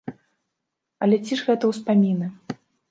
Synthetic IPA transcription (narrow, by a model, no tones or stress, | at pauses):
ɐlʲɛt͡sʲiʐɣɛt̪ɐwspamʲinɐ